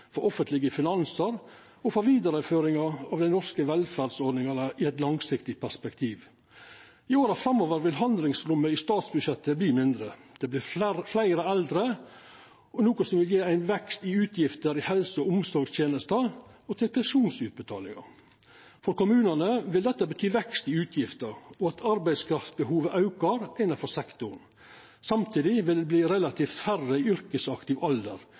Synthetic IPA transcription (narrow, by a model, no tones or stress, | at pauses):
fɔɾʔɔfənt̪lɪɡəfɪnɑnsəɾ | ɔfɔɾʋiːd̪ɑɾəføːɾɪŋɑɾɑːʋd̪æɪnɔskəʋɛlfæd̪sɔɾɖnɪŋɑnəʔɪɛt̪lɑŋsɪkt̪ɪpʰæʂpɛkt̪ʰiːʋ | ɪoːɾɑfɾɑmːoːʋəɾʋɪlɦɑnd̪lɪŋsɾʉmːəɪst̪ɑːt̪sbʉʂjɛt̪ːəbliːmɪnd̪ɾəd̪̥ɛblɪɾɾflæɪɾəɛld̪ɾə | ɔnuːkɔsɔmʋɪljeːæɪnʋɛkst̪ɪʉːt̪ʰjɪft̪əɾɪhɛlsəɔʊmsɔɾɡst̪ʰjeːnəst̪əɔt̪ʰɪlpʰɛnʂuːnsʉːt̪̚bət̪ʰɑ̰ːlɪ̰ŋɑ̰ | fɔɾkʊmʉːnɑnəʋɪld̪ɛt̪ːəbət̪ʰyːʋɛkst̪ɪʉːt̪ʰjɪft̪əɾɔɑt̪ʰɑɾbæɪskʰɾɑft̪sbəhuːʋəʔɑʉkɑɾæɪnɑfɔɾsɛkt̪ʊɳ | sɑmt̪ʰiːd̪ɪʋɪld̪ɛbliːɾɛlɑt̪ʰiːft̪færəɪʏɾkəsɑkt̪ɪʋɔld̪ə̰ɾ